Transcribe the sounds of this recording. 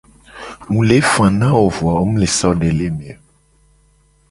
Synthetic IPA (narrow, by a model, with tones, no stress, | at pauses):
mũ˨le˨˦fã˨nã˦o˨vwa˨o˦mũ˦le˨sɔ˦ɖe˨le˦m˨ɛ˨